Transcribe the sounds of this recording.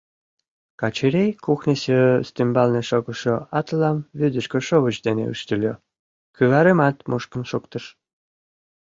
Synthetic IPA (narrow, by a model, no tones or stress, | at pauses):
kɑt͡ɕeɾʲejkuxnesøst̪ymbɑlneʃoɣə̆ʃoɑt̪lɑmβyd̪əʃkøʃoβət͡ɕd̪enḛy̰ʃt̪əlʲo | kyβɑɾemɑt̪mʔuʃkə̆nʃukt̪əʃ